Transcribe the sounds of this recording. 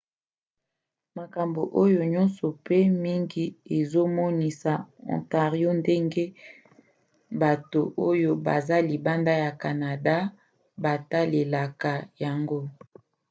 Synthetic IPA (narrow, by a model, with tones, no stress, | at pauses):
ma˨ka˨mbo˨ʔo˦jo˨ɲɔ˦nsɔ˨pe˦mi˦ŋɡi˦e˨zo˦mɔ˦ni˨sa˨ɔ̰˨nta˨ʁi˦o˦nde˦ŋɡe˦ | ba˨to˨ʔo˦jo˦ba̰˨za˦li˨ba˦nda˦ja˨ka˨na˨da˦ | ba˨ta˦le˨la˨ka˨ja˨ŋɡo˦